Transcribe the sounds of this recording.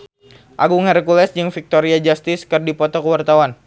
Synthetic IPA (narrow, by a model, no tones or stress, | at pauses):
ʔaɡuŋəɾəkulɛsd͡ʒɨŋfik̚t̪oɾiad͡ʒast̪ɪskɨrdipɔt̪ɔkəwart̪awan